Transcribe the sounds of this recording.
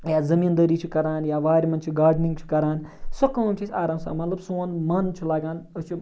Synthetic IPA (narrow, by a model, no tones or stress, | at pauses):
jaːzɐmiːnd̪ɐɾiːt͡ʃʰikɐɾaːnjaːʋaːɾʲmɐnt͡ʃʰiɡaːɾɖnĩŋɡt͡ʃʰi̥kɐɾaːnsɐkɐ̃ːmt͡ʃʰisʲaːɾãːmsa̰ːmɐt̪lɐbsoːnmɐnt͡ʃʰilaːɡãːnəst͡ʃʰi